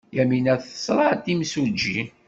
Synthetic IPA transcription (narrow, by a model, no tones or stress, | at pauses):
jæminæθə̥sˤɾˤɑt̪ːimsud͡ʒːi